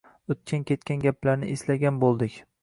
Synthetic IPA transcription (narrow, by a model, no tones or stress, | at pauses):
ɵt̪̚kʲankʲʰe̞t̪kʲanɡʲaplaɾnɪʔeslaɡʲanbolˠd̪ɪkʲ